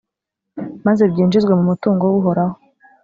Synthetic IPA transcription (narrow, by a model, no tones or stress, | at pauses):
maze̞bɟiːnd͡ʒizɡwe̞mumutuːŋɡowuɦo̞ɾaho